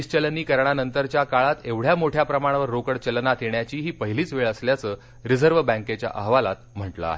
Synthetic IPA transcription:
ist͡ɕəlniːkəɾɳanənt̪əɾt͡ɕjakaɭat̪eʋɽ̤jamoʈʰjapɾəmaɽ̃ʋəɾːokəɽt͡ɕəlnat̪ʰjeɳjat͡ɕiːɦiːpəɦiliːt͡sʋeɭəsljat͡səː | ɾid͡zəɾʋəbə̃ŋket͡ɕja̰ʔəɦʋalat̪m̤əʈlə̰a̰ɦe

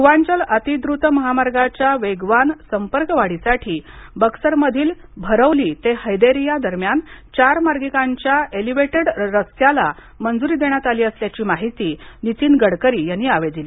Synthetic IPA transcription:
ʋaɲt͡ɕələt̪id̪ɾut̪əməɦamaɾɡat͡ɕjaʋeɡʋansəmpəɾkʋaɽisaʈʰiːbəksəɾməd̪ʱiːl | bʱəɾəʋliːt̪ehəjd̪eɾijad̪əɾmjant͡ɕaɾmaɾɡikãɲt͡ɕjaeliʋeʈeɽɾəsjala | mənd͡zuɾiːd̪eɳ̃jat̪aliːəsljat͡ɕiːmaɦit̪iːnit̪iːnɡəɽkəɾiːjanːiːaʋed̪iliː

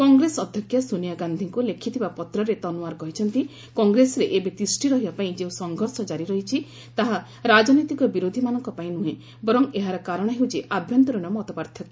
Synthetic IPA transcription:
kɔŋɡɾesɔd̪ʱjɔkʰjɔsunijaɡand̪ʱiŋkulekʰit̪ʰibapɔt̪ɾɔɾet̪ɔnuaɾkɔɦit͡ʃʰɔnt̪i | kɔŋɡɾesɔɾeʔebet̪isʈiɾɔɦibapaĩd͡ʒeũsɔŋɡʱɔɾsɔd͡ʒaɾiɾɔɦit͡ʃʰi | t̪aɦa | ɾad͡ʒɔnɔjt̪ikɔbiɾod̪ʱimanɔŋkɔpaĩnuɦẽ | bɔɾɔŋeɦaɾɔkaɾɔɽ̃ɔɦewt͡ʃʰiʔʔabʱjɔnt̪ɔɾɔɽ̃ɔmɔt̪ɔpaɾt̪ʰjɔt̪i̥

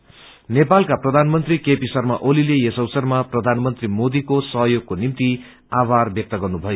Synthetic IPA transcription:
nepalkaprʌd̪ʱanmʌnt̪rikepisʌrmaʔolilejesʌwsʌrmaprʌd̪ʱanmʌnt̪rimod̪ikosʌɦʌjoɡ̚konimt̪i | abarbjʌk̚t̪ʌɡʌrnubʱʌjo

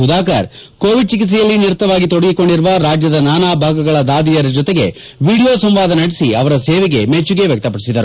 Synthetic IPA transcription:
ud̪aːka̰ɾkoːʋiɖ̚t͡ʃikit̪s̬ɛjɐlːiniɾut̪ːɐʋaːɡit̪oɽɐɡiko̞ɳɖiɾuʋɐɾaːd͡ʒjɐd̪ɐnaːnaːbʱaːɡɐɡɐɭɐd̪aːd̪ijɐɾɐd͡ʒɔt̪eɡe̞ | ʋiːɽijoːsɐmʋaːd̪ɐnɐɽisiɐʋɐɾɐseːʋeɡe̞met͡ʃːuɡeʋjɐk̚t̪ɐpɐɽisid̪ɐɾu

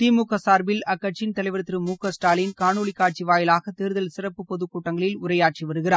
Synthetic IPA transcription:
t̪iːmukːɐsaːɾbɪlɐkːɐʈt͡ʃːɪnt̪ɐlɐɪʋɐɾɯt̪ːɪɾɯmuːkːɐsʈaːlɪnkaːɳuːɭɪkːaːʈ̚t͡ʃiʋaːjɪlaːɣɐt̪eːɾɯðɐlsɪrɐpːɯpɔðɯkːuːʈːɐŋɡɐɭɪlʊɾɐjaːʈ̚t͡ʃiʋɐɾɯɣɪɾaː

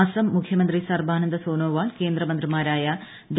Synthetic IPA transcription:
ɐsɐmːukʰjɐmɐnd̪risɐrbʱaːnɐnd̪ɐsoːnoːʋaːɭke̞ːnd̪rɐmɐnd̪rimaːɾaːjɐ | ɖ

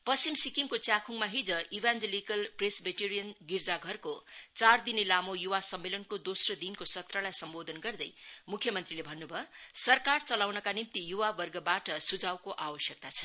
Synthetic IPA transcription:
pʌst͡simsikimkot͡sjakʰuŋmaɦid͡zʌibʱand͡zelikʌlpresbeʈiɾijʌnɡird͡zaɡʱʌrkot͡sard̪inilamojuwasʌmːelʌnkod̪osrʌd̪inkosʌt̪rʌlajsʌmbod̪ʱʌnɡʌrd̪ʌjmukʰjʌmʌnt̪rilebʱʌnːubʱʌsʌrkart͡sʌlawnʌkanimt̪ijuwabʌrɡʌbaʈʌsud͡zawkoʔawʌsjʌk̚t̪at͡sʰʌ

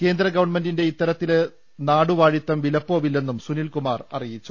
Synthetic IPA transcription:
ke̞ːnd̪ɾɐɡɐʋɐɳme̞ndinde̞it̪ːɐɾɐt̪ːil | naːɽuʋaːɻit̪ːɐmʋilɐpːo̞ːʋilːe̞nːumsunilkumaːrɐ̰rijit͡ɕːu

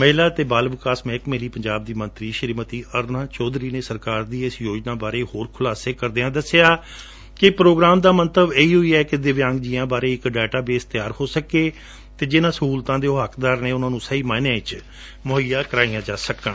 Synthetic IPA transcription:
məɦɪlaːt̪eːbaːlʋɪkaːsmẽːɪkmeɦliːpəɲd͡ʒaːb̚d̪iːmə̃nt̪ɾiːʃəɾiːmət̪iːʔəɾnãːt͡ʃɔːd̪ɾiːneːsəɾkaːɾd̪iːɪsjoːd͡ʒnaːbaːɾeːhoːɾkʰʊlaːseːkəɾd̪eːãːd̪əsːejaː | kɪpɾoːɡɾaːmd̪aːmənt̪əbeːiːɦʊiːɛːkɪd̪ɪʋjãːŋɡd͡ʒiːãːbaːɾeːɪkɖɛːʈaːbeːst̪ɪjaːɾhoːsəkeː | t̪eːd͡ʒɪnãːsəɦuːlt̪ãːd̪eːoɦəkd̪aːɾneːʊnãːnũːsəiːmaːnjãːɪt͡ʃ | mʊɦəjːaːkəɾaːiːãːd͡ʒaːsəkːən

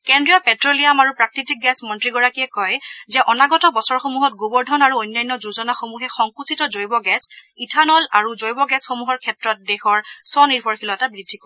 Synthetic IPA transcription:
kɛndɹijɔpɛtɹolijamaɹupɹak̚titik̚ɡɛsmɔntɹiɡɔɹakiɛkɔjzɛʔɔnaɡɔtɔbɔsɔɹxomuɦɔt̚ɡobɔɹdʱɔnaɹuojnːajnːɔzuzɔnaxomuɦɛxɔŋkusitɔzojbɔɡɛsitʰanɔlaɹuzojbɔɡɛsxomuɦɔɹkʰɛtɹɔt̚dɛxɔɹsɔniɹbʱɔɹxilɔɛtabɹidʱːikɔ

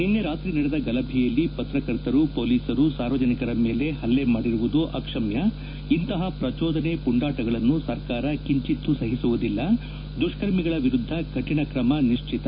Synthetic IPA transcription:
ninːeɾaːt̪ɾiːnɐɽed̪ɐɡɐlɐbʱijɐlːipɐt̪ɾɐkɐɾt̪ɐɾupoːliːsɐɾusaːɾʋɐd͡ʒɐnikɐɾɐme̞ːle̞hɐlːemaːɽiɾuʋud̪uʔɐ̰kʂɐmjɐ | int̪ɐɦɐpɾɐt͡ʃɔːd̪ʱɐnepuɳɖaːʈɐɡɐɭɐnːusɐɾkaːɾɐkiɲt͡ʃit̪ːusɐɦisuʋud̪ilːɐ | d̪uʂkɐɾmiɡɐɭɐʋiɾud̪ʱːɐkɐʈːiɳɐkɾɐmɐniʂt͡ʃʰit̪ɐ

